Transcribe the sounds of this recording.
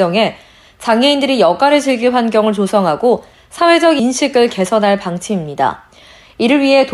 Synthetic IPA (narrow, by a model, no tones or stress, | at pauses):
ʌŋe̞ | t͡ɕaŋɦe̞indɯɾijʌɡ͈aɾɯɭt͡ɕiɭɡiɸwanɡjʌŋɯɭt͡ɕosʰʌŋɦaɡo | sʰawe̞d͡ʑʌɡinɕʰiɡɯɭke̞sʰʌnɦaɭpaŋt͡ɕʰimimɲida̰ | iɾɯɭɥiɦe̞t